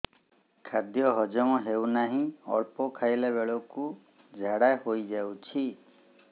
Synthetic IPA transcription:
kʰad̪jɔɦɔd͡ʒɔmɔɦewnaɦĩɔ̰ɭpɔkʰajleβeɭɔku | d͡ʒʱaɽahojd͡ʒawt͡ʃʰi

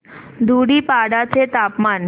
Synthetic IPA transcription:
d̪ʱuɽiːpaɽat͡set̪apman

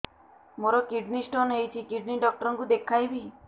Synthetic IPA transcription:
moɾɔkiɖnisʈonɦejt͡ʃʰikiɖniɖɔk̚ʈɔɾɔŋkud̪ekʰːajbi

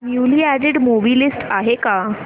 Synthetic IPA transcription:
njuliæɖiɽmobilisʈaɦeka

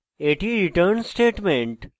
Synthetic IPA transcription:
eʈiːɾiʈəɾnsʈeːʈmẽɳʈ

